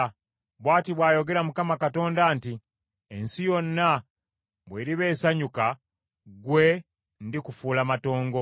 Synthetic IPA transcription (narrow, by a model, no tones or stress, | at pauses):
βwaːtiβwaːjo̞ɡe̞ɾamukamakato̞ːndaːnti | ensijo̞nːa | βwe̞ːɾiβe̞ːsaɲuka | ɡwe̞ | ndikufuːlamato̞ːŋɡo̞